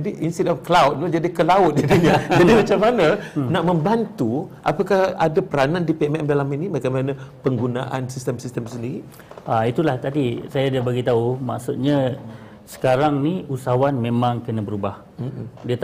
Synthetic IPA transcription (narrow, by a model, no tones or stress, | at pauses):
d͡ʒadiʔinstɛtɔfklawt̚t̪od͡ʒadikəlaʊt̪̚didiɲad͡ʒadimat͡ʃamːanãnaʔmə̃mbant̪uʔa̰pakahadapəɾanãndipiɛmɛmdalaminimakamanãpəŋɡuna̰ʔansist̪əmsist̪əmsəndiɾi | ait̪ulaht̪adisajadabaɡit̪auma̰ksut̪̚ɲã | sə̥kaɾaŋniusawanmẽmãŋkənãbəɾubah̩diət̪